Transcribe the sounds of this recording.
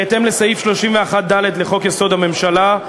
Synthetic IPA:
t̪emle̞sajifʃlo̞ʃimveaχat̪̚d̪ale̞d̪leχo̞kjeso̞d̪ame̞mʃala

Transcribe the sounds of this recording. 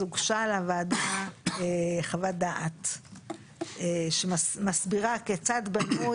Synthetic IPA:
uɡʃalavaːdaeχavadaʔat̪ | eʃemasbiʁaket͡sadbanu

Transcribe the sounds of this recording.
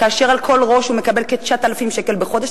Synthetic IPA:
kaːʃe̞ʁalkʰo̞lʁo̞ʃhume̞kabe̞lket̪ʃat̪alafimʃekelbeχo̞d̪eʃ

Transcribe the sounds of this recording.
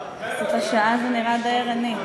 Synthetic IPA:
zotaʃaazeniʁad̪aeʁani

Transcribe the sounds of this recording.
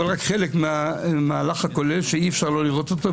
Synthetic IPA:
lʁakχelekmeamaːlaχakolelʃeiefʃaʁlo̞liʁo̞t̪ot̪a

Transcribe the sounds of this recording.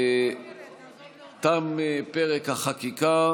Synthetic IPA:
t̪amepeʁekaχakika

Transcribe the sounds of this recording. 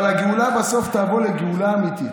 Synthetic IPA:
laɡeulabaso̞ft̪aːvoleɡeulaːmit̪i

